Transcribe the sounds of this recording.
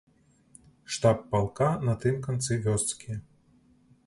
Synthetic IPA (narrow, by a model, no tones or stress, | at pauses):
ʂt̪apːalˠkanɐt̪ɨmkant̪sɨvʲɔst̪skʲiɛ